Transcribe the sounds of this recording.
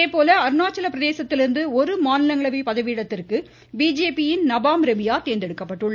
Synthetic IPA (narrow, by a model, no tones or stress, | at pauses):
eːpoːlɐɐɾnaːt͡ʃːɐlɐpɾɐðeːsɐt̪ːɪlɪɾɯnd̪ɯɔɾɯmaːnɪlɐŋɡɐɭɐʋipɐðɐʋiːɽɐt̪ːɪrkɯ | biːd͡ʒeːpijɪnnɐbaːmɾɛmɪjaːt̪eːnd̪ɛɽɯkːɐpːɐʈːɯɭːɐ